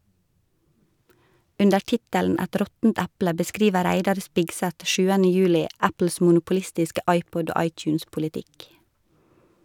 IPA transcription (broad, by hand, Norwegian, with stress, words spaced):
ˈʉndə ˈʈɪtæln ˈæt ˈɾɔtn̩t ˈæplə bəˈskɾiːʋə ˈɾæɪdɑɾ ˈspɪɡsæt ˈʃʉːənə ˈjʉːlɪ ˈæpl̩s mʊnʊpʊˈlɪstɪskə ˈʔɑɪˌpɔd ˈoː ˈɑɪˌtjʉːnspʊlɪˌtɪk